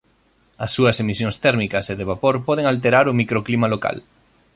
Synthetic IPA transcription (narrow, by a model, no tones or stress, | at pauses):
asːuɐsemisjoŋst̪ɛɾmikaseðeβ̞apoɾpoð̞eŋalt̪̬eɾaɾomikɾoklimaloka̰l